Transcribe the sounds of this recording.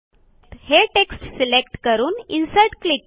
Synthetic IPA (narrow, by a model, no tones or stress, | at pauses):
heʈeksʈsilekʈkəɾuːninsəɾʈklik